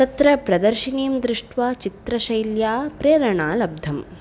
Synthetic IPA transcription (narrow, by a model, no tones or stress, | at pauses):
t̪ɐt̪ɾɐpɾɐd̪ɐɾʃiniːmd̪ɾɪʂʈʋaːt͡ʃit̪ɾɐʃɐjljaːpɾeːɾɐɳaːlɐb̚d̪ʱɐm